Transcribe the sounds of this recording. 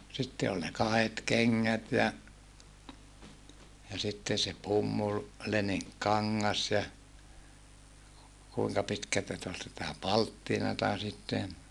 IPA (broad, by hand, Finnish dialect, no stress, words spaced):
sitːe olʲ ne kɑhet keŋːæt jɑ jɑ sitːen̞ se pumːul leniŋkːɑŋːɑs jɑ kuiŋkɑ pitkæltæ sĭt ol sitæ pɑltːinɑtɑ sitːen